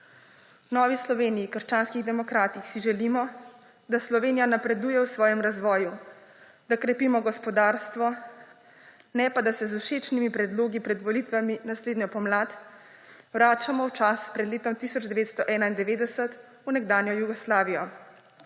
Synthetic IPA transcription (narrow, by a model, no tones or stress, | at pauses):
nɔːʋislɔʋeːnijikəɾʃt͡ʃaːnskiɣd̪ɛmɔkɾaːt̪ixsiʒɛliːmɔ | d̪aslɔʋeːnijanapɾɛd̪uːjɛwsʋɔːjɛmɾazʋɔːju | d̪akɾɛpiːmɔɡɔspɔd̪aːɾst̪ʋɔ | nɛpad̪asɛzuʃeːt͡ʃnimipɾɛd̪loːɡipɾɛd̪ʋɔlit̪ʋaminasleːd̪nɲɔpɔmlaːt̪ | wɾaːt͡ʃamɔwt͡ʃaspɾɛd̪leːt̪ɔmt̪isɔd͡ʒd̪ɛʋeːt̪st̪ɔʔɛːnaind̪ɛʋeːd̪ɛsət̪ | unɛɡd̪aːnjɔjuɡɔslaːʋijɔ